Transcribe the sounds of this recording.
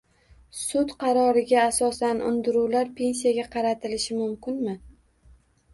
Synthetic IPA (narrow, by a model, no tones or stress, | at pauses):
sʊt̪qʰɑɾɒɾɪɡʲaːsɒsanʊ̰nd̪ɪɾuwlaɾpʰe̞nsijaɡʲaqʰɑɾat̪ʰɪlɪʃɪmʊmkʲɪnmɪ